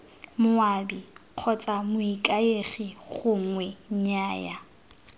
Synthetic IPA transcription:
mʊaːbiq͡χʰɔt͡sʼamʊikʼaeχiχʊŋwɛɲɲaːja̰

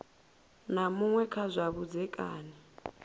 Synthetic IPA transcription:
namuŋwɛkʰazʷaβud͡zɛkʼaːnɛ

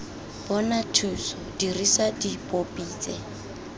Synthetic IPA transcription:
b̥ɔnatʰuːsɔdirisadipʼopʼiːt͡sʼɛ

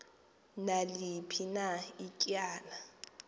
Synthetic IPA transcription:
nalɪpʰinaɪkʼjaːna

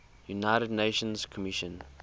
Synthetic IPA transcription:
junaɪɾədneʃə̃nzkʰɔmiʃə̃n

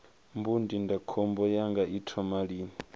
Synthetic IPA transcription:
mbundindakʰɔmbɔjaŋɡaʔitʰɔmaɺiːni

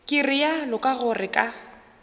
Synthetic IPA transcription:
kʼɪrɪjalʊkʼaɣʊrɪkʼa

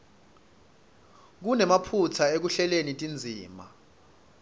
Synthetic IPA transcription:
k̬unɛmapʰut͡sʰaek̬uɬɛlenitʼind͡zʱiːma̰

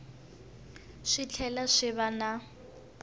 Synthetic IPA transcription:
ʂɪt͡ɬʰɛlaʂɪβana

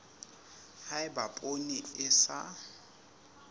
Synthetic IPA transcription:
haɪbapʼoniɪsa̰

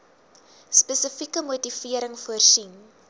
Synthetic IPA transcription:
spɛsəfikəmutifiəɾəŋfuərsin

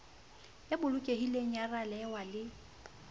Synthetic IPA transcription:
jabʊlʊkʼehileŋ̩jaralɛwalɪ

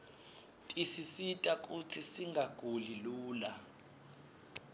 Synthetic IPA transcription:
tʼisisitʼak̬ʼut͡sʰisiŋɡʱaɡ̥ʱuliluːla

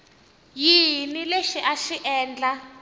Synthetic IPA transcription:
jinileʃiʔaʃiʔɛːnd͡ɮa

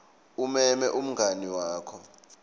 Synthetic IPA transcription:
umɛmɛʔum̩ŋɡʱaniwaːkʰɔ

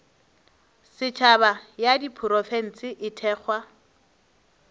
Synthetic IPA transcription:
sɪt͡ʃʰabajadipʰʊɾɔfɛn̩t͡sɪʔɪtʰɛːk͡xʰwa

